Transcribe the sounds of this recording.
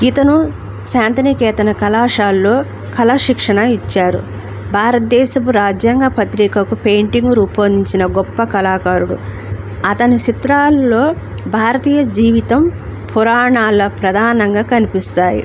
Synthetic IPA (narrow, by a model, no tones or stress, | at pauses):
it̪ɐnu | saːnt̪ɐnikɛːt̪ɐnɐkɐlaːʂaːlːo̞ː | kʰɐlɐʂikʂɐɳɐit͡ʃːaːɾṵ | bʱaːɾɐt̪̚d̪ɛːʃɐpuɾaːd͡ʒjaŋɡɐpɐt̪ɾiːkɐkupejɳʈiŋɡɾuːpɐnd̪iɲt͡ʃinɐɡɔpːɐkɐlaːkaːɾuɽṵ | ɐt̪ɐnit͡ʃit̪ɾaːlːo̞ː | bʱaːɾɐt̪iːjɐd͡ʒiːʋit̪ɐmpʰuɾaːɳaːlːɐpɾɐd̪ʱaːnɐŋɡaːkɐnipist̪aːjḭ